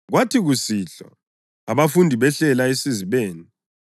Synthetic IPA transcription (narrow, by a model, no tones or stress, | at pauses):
ɣwatʰiɣusiːɬa̰ | aβafundʱiβɛɬɛlaesiziβeːni